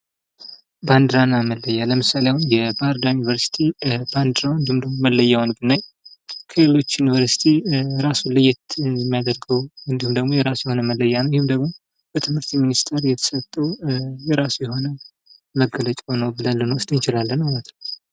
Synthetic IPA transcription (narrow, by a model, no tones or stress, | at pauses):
band̪ɨɾanaməlːəjːaləmɨsaleawnjɛbaɾd̪ajunivəɾsi̥t̪ʰib̥and̪ɨɾawɨnd̪ihumd̪əɡmoməlːəjawnbɨnːaj | kʰəlelo̞t͡ʃːjuniβəɾsi̥t̪ʰiɾasulɨjːɪt̪ɨnmːijad̪əɾɡəwɨnd̪ihumd̪əɡmo̞jɛɾasujɛho̞nəməlːəjːanəwjɪhɨmd̪əɡmo̞ | b̥ət̪ʰɨmhɨɾt̪minist̪ʰeɾjɛt̪ʰə̥sət̪ʼːəwjɛɾasujɛho̞nə | məɡːələt͡ʃʼonəwbɨlalːənwʊst̪ʼɨnt͡ʃɪlalːənmalət̪ʰ